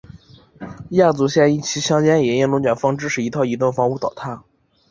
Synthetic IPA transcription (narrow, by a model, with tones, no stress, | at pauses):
ja˥˩t͡su˧˥ɕjɛ˥˧ni˥˩t͡ɕʰi˧˥ɕjɑ˥ŋt͡ɕjɛ˥njɛ˧˥ɛ˥˩nlʊ˧˥ŋt͡ɕɛ˨˩nfɑ˥ŋʈ͡ʂɻ̩˥ʂɻ̩˨˩i˧˥t̪ʰɑ˥˩ʊi˧˥t̪̬wə˥˩ŋfɑ˧˥ŋu˥˩t̪ɑ˨˩ʊt̪ʰa˥˩